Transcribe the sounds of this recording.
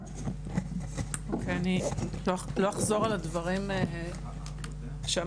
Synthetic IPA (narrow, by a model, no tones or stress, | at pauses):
okʰeaniloloaχzo̞ʁaladvɐʁim | ʃea